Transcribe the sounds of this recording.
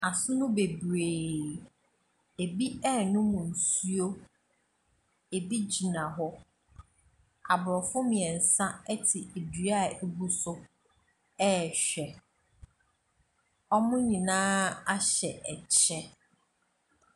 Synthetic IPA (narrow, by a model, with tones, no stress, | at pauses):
a˨sʊ˦nʊ̃˦be˨bɾeː˨ | e˨bi˦ɛ˦˨nʊ̃˦mʊ̃˨n̩˨su˦o˦ | e˨bi˦d͡ʑi˨nã˨ɦʊ˦ | a̰˨bɾɔ˨fʊ˦mɪ̃˨ɛ˨n̩˨sã˦ɛ˦tʰɪ˨e˨dɥa˦˨e˦bu˦sʊ˦ | ɛ˦˨ɕᶣɛ˨ | ɔ˦mʊ̃˦ɲĩ˨nãː˦a˦ɕɛ˨ʔɛ˨t͡ɕʰɛ˦